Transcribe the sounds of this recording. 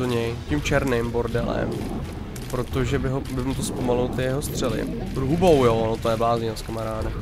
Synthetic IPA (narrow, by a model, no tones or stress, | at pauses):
oɲɛjcɪmt͡ʃɛɾnɪmbo̞ɾdɛlɛ̰m | pɾo̞t̪o̞ʒɛbɪɦobɪmut̪ospomalʊlot̪ɪjɛɦost̪r̝̥ɛlɪ̰ɾuɦubowjoonot̪ojɛvaːzɲinaskamaɾaːda